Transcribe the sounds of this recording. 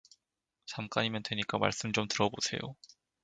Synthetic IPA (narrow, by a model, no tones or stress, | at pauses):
t͡ɕamk͈aɲimjʌndwe̞ɲik͈ama̰ɭs͈ɯmt͡ɕomtɯɾʌbosʰe̞̰jo̰